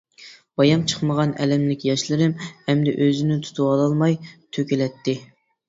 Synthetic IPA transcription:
bɑjɑmt͡ʃʰə̥χməʁɑnɛ̰lɛmlɪkʲjɑʃlɨɾɪmɛmd̪ɪʔøzɪnɪt̪ʰu̥t̪ʰuɑlˠɑlˠmɑjt̪ʰøkʲelɛt̪ːɪ

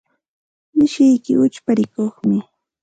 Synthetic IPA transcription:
nɪʃɪjkɪ̰ʊt͡ʃpaɾɪkoχmɪ

